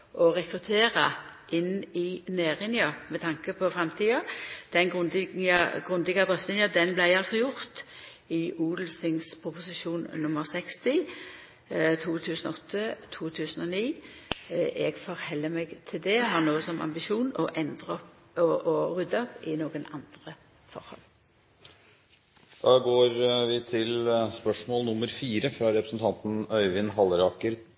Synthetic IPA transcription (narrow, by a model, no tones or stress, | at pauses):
ʔɔʁɛkʁʉt̪ʰeːʁəʔɪnːɪneːʁɪnjɑmɛt̪ʰɑŋkəpʰɔfʁɛmt̪ʰiːɑd̪̥ɛnɡʁʊnɡ̥ʁʉnd̪ɪɡɑd̪ʁɛft̪ɪnjɑd̪ɛnblæɪɑlsɔjʊʁt̪ | ɪʔuːd̪l̩sɪŋspʰʁʊpʊsɪʃuːnnʊməʁsɛkst̪ɪ | t̪ʰuːt̪ʰʉːsənɔɔt̪ʰːət̪ʰuːt̪ʰʉːsənɔniː | ɛɡfɔɾhɛlːəmɛɡt̪ʰɪld̪ɛɦɑʁnoːsɔmʔɑ̰mbɪʃuːnɔʔɛnd̪ʁəɔ | ɔʔɔʁʉd̪əɔpɪnoːɡənɑnd̪̥ʁə | fɔ̰ʁhɔ̰l | d̪̥ɑːɡoːɾʋɪt̪ʰɪlspœʂmɔːlnʊmːəɾfiːɾəfɾɑɾɛpɾəsn̩t̪ʰɑnt̪n̩œʏʋɪnɦɑlɾɑːkəɾ